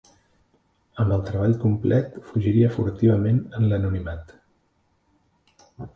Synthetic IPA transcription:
əmbəlˠt̪ɾəβ̞aʎkumplʔɛt̪fuʒiɾiəfuɾt̪iβəmenənlənunimat̪

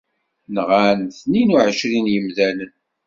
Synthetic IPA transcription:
nʁanθninuʕəʃɾinjəmðælən

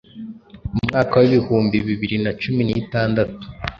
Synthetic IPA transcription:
uumŋaːkawiβihuːmbiβiβiɾinat͡ʃuminiːtaːndatu̥

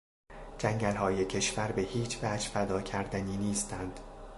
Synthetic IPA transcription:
d͡ʒæŋɟælhɒːjecʰe̞ʃvæɾbe̞hiːt͡ʃʰvæːd͡ʒfæd̪ɒːcʰæɾd̪æniːniːst̪ʰænd̪̥

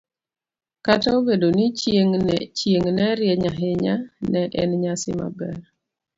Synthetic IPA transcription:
kataobedonit͡ʃeŋnt͡ʃjeŋnɛɾjɛɲaɦɪɲanɛʔɛnɲasɪma̰bɛr

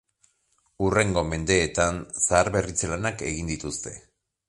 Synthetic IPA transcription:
ure̞ŋɡo̞me̞nd̪e̞ːt̪ansaːɾβe̞rit͡selanake̞ɣind̪it̪ust̪e̞̥̰

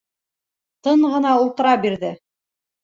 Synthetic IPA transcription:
t̪ɤɴʁɤ̆nɑulˠt̪ɤ̆ɾɑbiɾðɘ

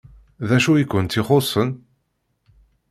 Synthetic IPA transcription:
ðæʃuikʷːənt̪ːiχosˤən

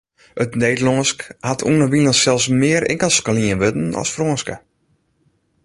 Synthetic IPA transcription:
ətneːdlɔːskhatʰṵənəʋinəsɛlˠsmɪəɾɪ̰ŋkəlˠskəliənʋøtn̩ɔ̰sfroənskə̰

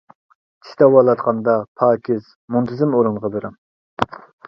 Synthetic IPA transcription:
t͡ʃʰi̥t̪ɛwɑlˠɑt̪qʰɑnd̪ɑpʰɑːkʲʰɪz̥ | munt̪ʰɪzɪmoɾɨnʁɑbeɾɑm

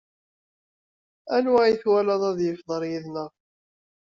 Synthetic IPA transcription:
ænwajiθwælɑðˤɑðjəfðˤəɾjiðnəʁ

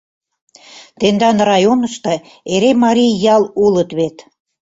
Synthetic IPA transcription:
t̪end̪ɑnrɑjonə̆ʃt̪ɤ̆ | eɾemɑɾʲijjɑlulət̪βet̪

